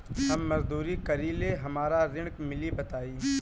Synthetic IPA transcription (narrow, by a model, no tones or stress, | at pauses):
ɦɐmːɐzd̪uːɾikɐɾileɦɐmaːɾaɾɪ̃ɳ̃kmɪlibɐt̪aːiː